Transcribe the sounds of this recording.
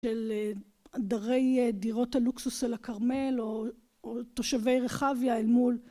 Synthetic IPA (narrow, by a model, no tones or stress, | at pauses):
ʃel | daʁejdiʁo̞thaluksusʃelakaʁme̞lo | oto̞ʃave̞jʁeχavjaelmul